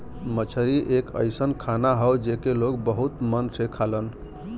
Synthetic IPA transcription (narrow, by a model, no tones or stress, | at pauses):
mət͡ʃʰəɾiʔekə̰jsənkʰanaɦəwd͡ʒekeloɡbəɦut̪mənsʰekʰalən